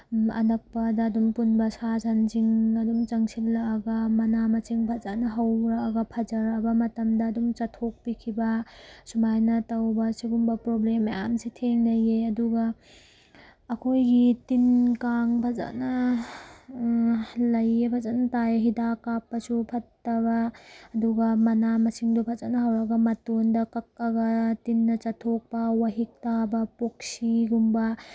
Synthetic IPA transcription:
ɐ̰nɐk̚pɐdɐːdumpunbɐsazʰanziŋɐdumt͡ʃɐŋsʰilːaːɡɐmɐnamɐt͡ʃiŋbʰazaʔnɐɦɐwɾaːɡɐpʰɐd͡ʒɐɾɐbɐmɐtɐmdɐːdumt͡ʃɐtʰok̚pikʰibɐsumajnɐtɐwbɐsiɡumbɐpɾoblemamsitʰeŋlɐjeɐduɡɐ | kʰojɡitinkaŋpʰaza̰nɐ | lɐjːepʰɐzɐnɐtajɦidakapːɐsupʰɐtːɐbɐːduɡɐmɐnamɐsiŋdopʰɐzanɐɦɐwɾɐɡɐmɐtondɐkɐk̚ːɐɡɐtinːɐt͡ʃɐtʰok̚pɐwaɦik̚tabɐpok̚siɡumbɐ

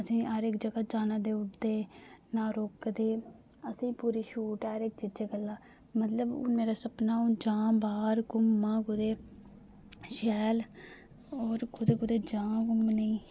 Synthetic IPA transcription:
əsĩːɦəɾekd͡ʒəɡaːd͡ʒaːnãːd̪eːʊʈd̪eːnãːɾoːkd̪eː | əsĩːpuːɾiːʃuːʈːɾekd͡ʒɪd͡ʒeːɡəlːaː | mət̪ləb̰meːɾaːsəpnaːũd͡ʒaːbaːɾɡʊmːãːkʊd̪eː | ʃɛːl | oːɾkʊd̪eːkʊd̪eːd͡ʒãːɡʊmnəĩː

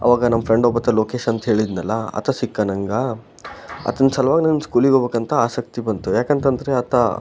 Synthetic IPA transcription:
ɐ̰ʋaːɡɐnɐmɐpʰɾe̞ɳɖoːbɐt̪ːɐlo̞ːkeːʃɐnt̪ɐɦe̞ːɭid̪nɐlːɐɐ̰t̪ʰɐsikːɐnɐŋɡɐ | ɐ̰t̪ɐnːsɐlɐʋaːɡinɐnskuːliɡobeːkɐnt̪ʰɐaːsɐk̚t̪ibɐnt̪ujaːkeːnt̪ɐnd̪ɐɾeɐt̪ʰɐ̰

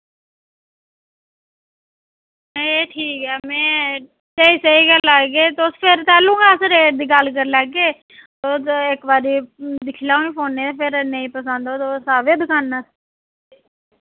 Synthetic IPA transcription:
eːʈʰiːkɛːmɛ̃ː | t̪eiːsəiːɡəlaeːt̪ːʊspʰɪɾt̪ɛːlũːɡaːsɾeːʈ̚d̪iːɡəlk̬əɾlɛːɡːeː | t̪ʊsɪkbaːɾiːd̪ɪkʰːlaːoniːpʰoːnːeːt̪eːpʰɪɾnə̃ĩːpəsə̃nd̪oːt̪osaːʋeːd̪ɪkʰaːnːas

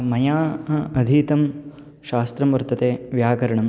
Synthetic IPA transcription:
mɐjaːɐd̪ʱiːt̪ɐm | ʃaːst̪ɾɐmʋɐɾt̪ɐt̪eːʋjaːkɐɾɐɳɐm

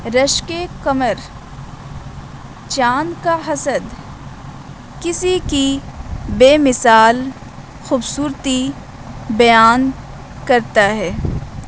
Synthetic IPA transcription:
ɾəʃkekɐməɾ | t͡ʃaːnkaɦɐsəd̪ | kɪsikibeːmɪsaːl | xuːbsuːɾt̪i | bɐjaːn | kɐɾt̪aɦɛː

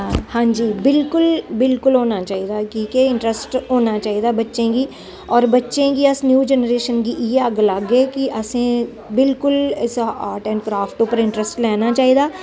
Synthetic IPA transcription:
hãːd͡ʒiːbɪlkʊlbɪlkʊlɦoːnat͡ʃaːɦid̪akiːkeɪ̃ɳʈɾəsʈɦoːnat͡ʃaːɦid̪abɐtːʃẽɡi | ɔːɾbɐtːʃẽkiəsnjuːd͡ʒɛnəɾeːʃənkijeɐɡlaɡekiʔɐsẽ | bɪlkʊlɪsaːɾʈɛ̃ːɳɖkɾaːfʈuːpəɾɪ̃ɳʈɾəsʈlɛːnat͡ʃaːɦid̪aː

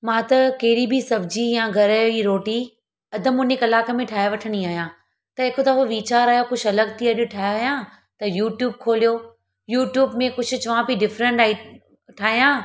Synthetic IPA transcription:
mãːt̪ɐkɐɦɪɽibʱɪsɐbd͡ʑijãːɡʱɐɾaːjoiːɾoːʈi | ɐd̪ʱəmʊnekɐlaːkemẽʈʰaːeʋɐʈʰəɽ̃iaːɦjãː | t̪ɐeːkot̪aɦoʋiːt͡ɕaːɾaːjokʊd͡ʑʰɐləɡt̪ʰiɐɗʊʈʰaːɦjaːjãː | t̪ɐjuːʈjuːb̚kʰoːlijoː | juːʈjuːbmẽkʊd͡ʑʰʊ̆t͡ɕɐʋãpiɖɪfɾə̃ɳʈaːi | ʈʰaːɦijãː

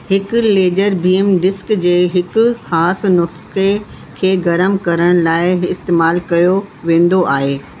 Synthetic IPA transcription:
hɪkʊ̆leːd͡ʑəɾbiːemɖɪskd͡ʑeːɦɪkʊ̆xaːsnʊske | kʰeːɡɐɾəmkɐɾəɽ̃laːɪɪst̪eːmaːlkɐjoʋẽːn̆d̪oʔaːɦeː

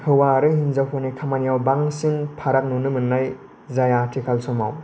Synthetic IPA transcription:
hɯwaɾɯhinzawpʰɔnikʰamanijawbaŋsinpʰaɾak̚nunɯmɯnːaj | zajatʰikʰalsɔmaw

